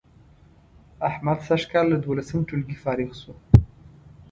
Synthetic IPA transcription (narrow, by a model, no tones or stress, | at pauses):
aħmad̪saʒkɑlːad̪wolasəmʈ͡ʂulɡifɑɾixsu